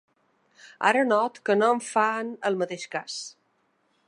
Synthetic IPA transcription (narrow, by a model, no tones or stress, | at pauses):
a̰ɾənɔt̪kənoɱfanəlˠmət̪eʃkas